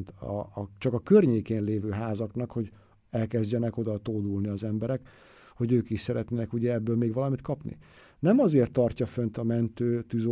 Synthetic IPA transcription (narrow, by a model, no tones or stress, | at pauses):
nt̪ːt͡ʃɒkɒkørɲeːkeːnleːvøːɦaːzɒknɒkho̞ɟ | ɛlkɛzɟɛnɛko̞d̪ɒt̪oːd̪ulniɒzɛmbɛɾɛk | ho̞ɟøːkiʃsɛɾɛt̪nenɛkuɟɛɛbːøːlmeːɡʋɒlɒmit̪kʰɒpnḭ | nɛmɒzeːrt̪ːɒrcɒfø̞nt̪ɒmɛnt̪øːt̪yzo